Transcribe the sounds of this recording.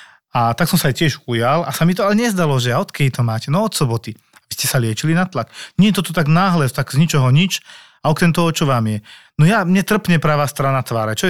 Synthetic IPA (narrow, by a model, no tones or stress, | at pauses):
at̪aksɔmsaːjcɪɛʒujalasamit̪ɔalɛɲɛzd̪alɔʒɛaɔt̪kɛit̪ɔmaːcɛnɔɔt̪sɔbɔt̪i | abiscɛsalɪɛt͡ʃilinat̪lakɲɛɛt̪ɔt̪ɔt̪aɡnaːɦlɛt̪aɡzɲit͡ʃɔɦɔɲit͡ʃ | aɔkɾɛmt̪ɔɔt͡ʃɔʋaːmjɛnɔjamɲɛt̪r̩pɲɛpɾaʋaːst̪ɾanat̪ʋaːɾɛt͡ʃɔɛ